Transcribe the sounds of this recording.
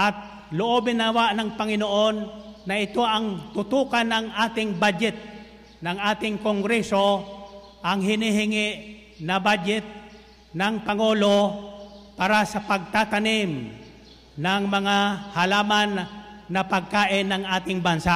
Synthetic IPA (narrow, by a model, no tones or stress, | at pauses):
ʔɐt̪̚ | lʊʔobɪnawaʔnɐŋpɐŋɪnoʔo̞nːɐʔɪt̪o̞ʔɐŋt̪ʊt̪uːkɐnɐŋʔaːt̪ɪŋbad͡ʒɛt̪̚ | nɐŋʔaːt̪ɪŋkoŋɡɾɛso̞ | ʔɐŋɦɪniɦɪŋɪʔ | nɐbad͡ʒɛt̪̚ | nɐŋpɐŋo̞ːlo̞ | paːɾasɐpɐɡ̚t̪at̪ɐnɪm | nɐŋmɐŋahɐlaːmanːɐpɐɡ̚kaːʔɪnːɐŋʔaːt̪ɪŋbɐnsaʔ